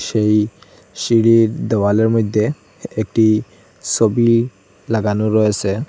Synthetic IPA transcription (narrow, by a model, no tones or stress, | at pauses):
ʃej | siɽiɹd̪ɔwalɔɹmɔjd̪ʱːe | ek̚ʈi | sobi | laɡanoɹɔjese